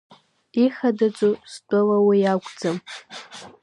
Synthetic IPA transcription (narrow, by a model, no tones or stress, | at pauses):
iχadad͡zʷʼustʼʊlawijaɡʷʼd͡zam